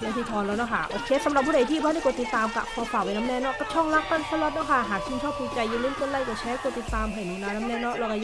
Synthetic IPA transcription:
la˧˩t̪ʰiː˧˩t̪ʰɔː˧nla˧wnɔ˧˩kʰa˧˩ʔo˧˩t͡ɕʰeː˦˥t̪sa˨˦mɾa˨˩p̚ʰːuː˧˥˩da˨˩t̪ʰiː˥˩baː˥˨nːa˧˥˩ko˨˩t̪i˨˩t̪ːaː˧mkʰa̰˧˩pʰɔː˧faː˨˩wa˧jna˦˥mnɛː˧˥˨nɔ˦˧˥kɔ˧˩t͡ɕʰɔ˥˩ŋla˦˥k̚pa˥˩nsʰa˧˥˩lɔ˧˥t̪̚nɔ˧˥˩kʰa˥˩ɦaː˨˩k̚t͡ɕʰi˧˩nt͡ɕʰɔː˥˩p̚ku˧t͡ɕa˧jːi˧lɯː˧˥˩ko˧˨la˧˩jkɔ˧˩t͡ɕʰɛː˧˦˥ko˨˩t̪̚i˨˩t̪ːaː˧mɦa˨˩jmiː˧˩naː˧˥na˦˥mnɛː˧˥˩nɔ˦˥ʔlɔ˧ka˧

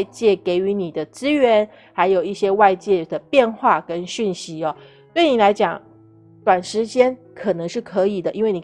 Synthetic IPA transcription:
t͡ɕjɛ˥˩ke˧˩ɪy˧˥ni˨˩d̪ə˦t͡sɹ̩˥ɥɛ˧˥n | xa˧˥ɪjo˨˩ʊi˥˩ɕjɛ˥wa˥˧ɪt͡ɕjɛ˥˩d̪ə˩pjɛ˥˧nxwa˥˩kə˦˥nɕy˥˩nɕi˧˥ɔ˧ | t̪we˥˩ɪni˨˩la˧˥ɪt͡ɕjɑ˨˩˦ŋ | t̪wa˨˩nʂɻ̩˧˥t͡ɕjɛ˥n | kʰɤ˨˩nɤ˧˦ŋʂɻ̩˥˩kʰɤ˧˥i˨˩d̪ə˦ʔi˥nwe˥˩ni˨˩

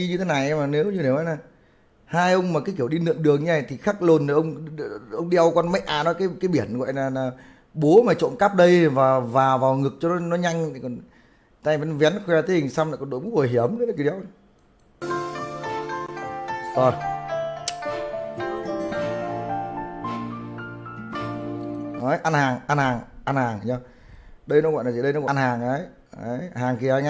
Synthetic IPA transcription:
i˧ɲɨ˧t̪ʰe˨˦na˨˩jʔɛ˧ma˨˩ne˨˦wɲɨ˧ɗe˧˩nɔ˨˦laː˨˩ | haː˧jʔə˧wŋ͡mmaː˨˩kaː˨˦jki˧˩əwɗi˧nɨ̰˧˨əŋɗɨ˨˩əŋɲa˧˨˩t̪ʰi˨˩xaː˦˥k̚lo˨˩nːa˨˩ʔə˧wŋ͡mʔə˧wŋ͡mɗi˧ʔə˧wkɔ˧nma˨˦˥jʔaː˨˩nɔ˨˦kaː˨˦jkaː˨˦jɓi˧˩ənɣɔ̰˧˨jlaː˨˩laː˨˩ | ɓo˨˦maː˨˩t͡ɕo̰˧˨nka˦˥p̚ɗə˧jvaː˨˩vaː˨˩vaː˨˩wŋɨ˨˩ək̚t͡ɕɔ˧nɔ˨˦nɔ˨˦ɲa˧jŋ̟˨kɔ˨˩n | t̪aː˧jvɛ˨˦nvɛ˨˦nkwɛ˧a˧t̪ʰe˧˦hi˨˩ŋsa˧wmlaː˨˩kɔ˨˩nɗo̰˧˩jmu˦˥k͡p̚vo˨˩ɦi˧˩əmə˧˦la˨ki˧w | ʔo˧˩j | ʔəː˨˦jʔa˧nhaː˨˩ŋʔa˧nhaː˨˩ŋʔa˧nhaː˨˩ŋ˨ɔ˧ | ɗə˧jnɔ˧˦ɣwa̰˧˨nːʰ˨˩˨ɗə˧nɔ˦wa̰ː˧nhaː˨˩ŋʔə˨˦j | ə˨˦jhaː˨˩ŋki˨˩ə˨a˨˧˦ɲa˧

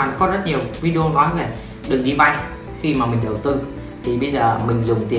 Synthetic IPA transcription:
nɔ˨˦kɔ˨˦zə˦˥t̚ɲi˨˩əwvi˧ɗi˧o˧nɔ˨˦jve˨˩ | ɗɨ˨˩ŋɗi˧va̰˧˨j | xi˧maː˨˩mï˨˩ŋ̟ɗə˨˩wt̪ɨ˧ | t̪ʰi˨˩ɓə˧jzəː˨˩mï˨˩ŋ̟zʊ˨˩ŋ͡mt̪ḭ˨˩ə

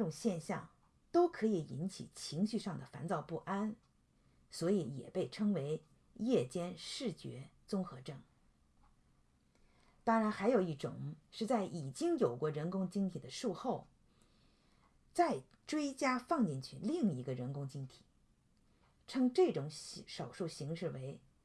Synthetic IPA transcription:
ʈ͡ʂʊ˨˩ŋɕjɛ˥˧nɕjɑ̰˥˩ŋ | t̪o˥ʊkʰɤ˧˥i˨˩i˧˥nt͡ɕʰḭ˨˩t͡ɕʰi˧˥ŋɕy˥˧ʂɑ˥˩ŋd̪ə˩fa̰˧˥nt͡sɑ˥˧ʊpu˥˩ʔa˥n | swɔ˧˥i˧˥jɛ̰˨˩pe˥˩ɪʈ͡ʂʰɤ˥ŋwe˧˥ɪ | jɛ˥˩t͡ɕjɛ˥nʂɻ̩˥˩t͡ɕɥɛ̰˧˥t͡sʊ˥ŋxɤ˧˥ʈ͡ʂɤ˥˩ŋ | t̪ɑ˥ŋɻa˧˥nxa˧˥ɪjo˨˩ʊi˥˩ʈ͡ʂʊ̰˨˩˦ŋʂɻ̩˥˧t͡sa˥˩ɪʔi˨˩t͡ɕi˥ŋjo˨˩ʊkwɔ˥˩ɻə˧˥nkʊ˥ŋt͡ɕi˥ŋt̪ʰi˨˩d̪ə˦ʂu˥˧xo˥˩ʊ | t͡sa˥˧˩ɪ | ʈ͡ʂwe˥ɪt͡ɕja˥fɑ˥˧ŋt͡ɕi˥˧nt͡ɕʰy˥˧li˥˩ŋi˧˥ɡə˧ɻə˧˥nkʊ˥ŋt͡ɕi˥ŋt̪ʰi̥˨˩˦ | ʈ͡ʂʰɤ˥ŋʈ͡ʂɤ˥˩ʈ͡ʂʊ˧˥ŋ˥ʂɑ˨˩ʊʂu˥˩ɕi˧˥ŋʂɻ̩˥˩we˧˥ɪ

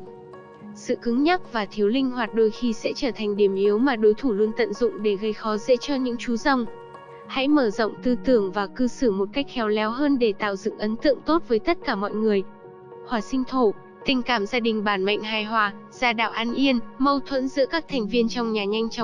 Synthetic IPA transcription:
sɨ̰˧˨kɨ˨˦ŋɲa˦˥k̚vaː˨˩t̪ʰi˨˦əwlï˧ŋ̟hwaː˨˩t̚ɗo˧jxi˧sɛ̰˧˥t͡ɕəː˧˩t̪ʰa˨˩ŋ̟ɗi˧˩əmʔi˨˦əwmaː˨˩ɗo˨˦jt̪ʰu˧˩lu˧ənt̪ə̰˧˨nzʊ̰˧˨ŋ͡mɗe˧˩ɣə˧jxɔ˨˦zɛ̰˧˥t͡ɕɔ˧ɲɨ̰˧˥ŋt͡ɕu˨˦za˧˩wŋ͡m | ha̰˧˥jməː˧˩zə̰˧˨wŋ͡mt̪ɨ˧t̪ɨ˧˩əŋvaː˨˩kɨ˧sɨ˧˩mo˨˩t̚ka˦˥jk̚xɛ˨˦wlɛ˨˦wɦəː˧nɗe˧˩t̪a̰ː˧˨wzɨ̰˧˨ŋʔə˨˦nt̪ɨ̰˧˨əŋt̪o˦˥t̚vəː˨˦jt̪ə˦˥t̚kaː˧˩mɔ̰˧˨jŋɨ˨˩əj | hwaː˨˩sï˧ŋ̟t̪ʰo˧˩ | t̪ï˨˩ŋ̟kaː˧˩mzaː˧ɗï˨˩ŋ̟ɓaː˧˩nma̰˧˨jŋ̟ɦaː˨˩jɦwaː˨˩ | z̥aː˧ɗa̰ː˧˨wʔaː˧nʔi˧ənmə˧wt̪ʰwə̰˧˥nzɨ̰˧˥əkaː˦˥k̚t̪ʰɛ˨˩ŋ̟vi˧ənt͡ɕɔ˧wŋ͡mɲaː˨˩ɲa˧jŋ̟t͡ɕɔ˨˦ŋ͡m

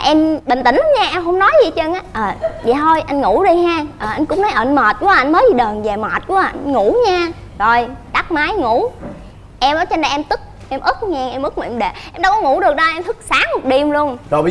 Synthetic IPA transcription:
ʔɛ˧mɓï˨˩ŋ̟t̪ï˧˩˦ŋ̟˨˧˦ɲaː˧ʔɛ˧mɦə˧wŋ͡mnɔ˨˦jzi˨˩t͡ɕə˧ŋʔaː˨˦ʔəː˨˩zaː˨˩t̪ʰo˧jʔa˧jŋŋṵ˧˩ɗi˧ɦaː˧ʔəː˨˩ʔa˧jŋ̟kʊ̰˧˥ŋ͡mnɔ˨˦jʔəː˧˩nməː˨˩t̚ku˧˦˧ʔa˧jŋ̟məː˨˦jzi˨˩ɗəː˨˩nvɛ˨˩maː˨˩t̚ku˨˦˨nŋu˧˩ɲaː˧ | zo˨˩jɗa˦˥k̚maː˨˦jŋu˧˩ | ʔɛ˧mʔə˨˦jt͡ɕə˧nɗa˨˩ʔɛ˧mt̪ɨ˦˥k̚ʔɛ˧mʔɨ˦˥k̚ŋɛ˧ŋʔɛ˧mʔɨ˦˥k̚mu˨˧˨ɛ˧mɗe˨˩ʔɛ˧mɗa˧wkɔ˨˦ŋu˧˩˥ɗɨ˨˩ək̚ɗə˧ʔɛ˧mt̪ʰɨ˦˥k̚saː˨˦ŋmo˨˩t̚ɗi˧əmlu˧ənto˧˩˧

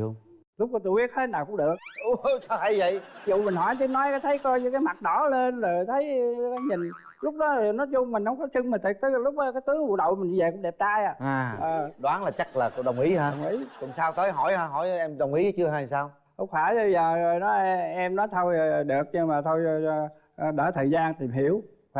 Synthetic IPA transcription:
lʊ˦˥k͡p̚kɔ˨˦t̪u˧ɓi˦˥ət̚he˦˥naː˨˩wkʊ̰˧˥ŋ͡mɗɨ˨˩ək̚ɗʊ˨˧˦t͡ɕɔ˨˦t̪ʰa˨˧˦jvə̰˧˨jzṵ˧˨mï˨˩ŋ̟ɦɔ˧˩jt̪i˧˦nɔ˨˦jkaː˨˦jt̪ʰə˨˦jkɔ˧jɲɨ˧kaː˨˦jma˨˩t̚ɗɔ˧˩˦le˧nzə˨˩jt̪ʰə˨˦jkaː˨˦jɲï˨˩ŋ | lʊ˦˥k͡p̚ɗɔ˨˦˨nɔ˨˦jzʊ˧ŋ͡mmï˨˩ŋ̟hə˧wŋ͡mkɔ˨˦sɨ˧ŋmi˨˩t̪ʰi˨˩k̚t̪ə˨˦˨lʊ˦˥k͡p̚ʔɔ˨˦kaː˨˦jt̪ɨ˨˦əŋvṵ˧˥ɗə̰˧˨wmï˨˩ŋ̟˨ve˨˩kʊ˧˥˦ŋ͡mɗɛ˨˩p̚t̪aː˧jaː˨˩ʔaː˨˩əː˨˩ɗwaː˨˦nlaː˨˩t͡ɕa˦˥k̚laː˨˩ko̰˧˨ɗə˨˩wŋ͡mʔi˨˦haː˧˨˩wŋ͡mʔi˨˦kʊ˨˩ŋ͡msaː˧wt̪əː˨˦jɦɔ˧˩jhaː˧ɦɔ˧˩˦jʔɛ˧mɗə˨˩wŋ͡mʔi˨˦˨t͡ɕɨ˧əɦaː˧˩jsaː˧w | hʊ̰˨˦˥ŋ͡m̚faː˧˩˧jzəː˨˩o˨˩jnɔ˨˦˧ʔɛ˧mnɔ˨˦jt̪ʰo˧jɗɨ˨˩ək̚ɲɨ˧maː˨˩t̪ʰo˧j | ɗəː˧˩t̪ʰəː˨˩jzaː˧nt̪i˨˩mɦḭ˧˩˨əw

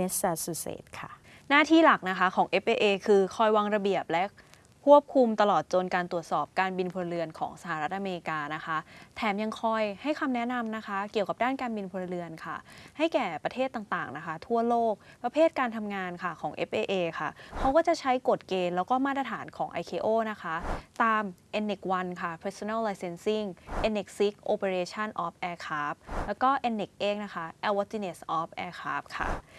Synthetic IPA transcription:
e˦˥saː˧suː˧˩sḛː˩t̪̚kʰa˥˩ | naː˥˩t̪ʰiː˥˩la˨˩k̚na˦˥kʰa˦˥kʰɔː˩˦ŋʔe˦˥p̚ʔeː˧ʔeː˧kʰɯː˧kʰɔː˧jwaː˧ŋɾa˧bi˨˩əp̚lɛ˦˥ʔ | kʰu˥˩əp̚kʰu˧mt̪a˧lɔː˨˩t̪̚t͡ɕo˧nkaː˧nt̪u˨˩ə˩t̪̚sɔː˨˩p̚kaː˧nbi˧npʰu˧ɾɯ˧ənkʰɔ̰ː˩˦ŋsa˧ha˨˩ɾa˦˥t̪ʔa˧meː˧ɾi˧kaː˧na˦˥xʰa˦˥t̪ʰɛː˩˦mja˧ŋkʰɔ˧jha˥˩jkʰa˧mnɛ˦˥na˧mna˦˥kʰa˦˥ki˨˩əka˨˩p̚daː˥˩nkaː˧nbi˧npʰu˧ɾɯ˧ənkʰa˥˩ha˥˩jkɛː˨˩pɾa˧t̪ʰeː˥˩t̪ːaː˨˩ŋt̪aː˨˩ŋna˦˥kʰa˦˥t̪ʰu˥˩əloː˥˩k̚pɾa˧pʰeː˥˩t̪̚kaː˧nt̪ʰa˧mŋaː˧nkʰa˥˩kʰɔː˩˦ŋʔḛ˦˥p̚ʔeː˧ʔeː˧kʰa˥˩kʰa˧˦˥wkɔː˥˩t͡ɕa˨˩t͡ɕʰa˦˥jko˨˩t̪̚keː˧nlɛː˦˥wkɔː˥˩maː˥˩t̪̬̚ːɾa˧t̪ʰaː˩˦nkʰɔː˩˦ŋʔa̰˧jkʰeː˧ʔoː˥˩na˦˥kʰa˦˥t̪aː˧mʔɛ˧nːe˨˩k̚wa˧nkʰa˥˩pʰeː˨˦˥so˧na˥˩lːaː˧jse˧nsi˥˩ŋʔe˧nːe˨˩k̚si˦˥k̚ʔoː˧pe˧ɾeː˧t͡ɕʰa˥˩nʔɔː˦˥p̚ʔɛː˧kʰaː˦˥p̚lɛː˦˥wkɔː˥˩ʔɛ˧nːe˨˩k̚ʔeː˧˥ŋ̚na˦˥xʰa˦˥ʔɛː˧wa˦˥t̪i˧ne˨˩sʔɔː˦˥p̚ʔɛː˧kʰa̰ː˦˥p̚kʰa̰˥˩

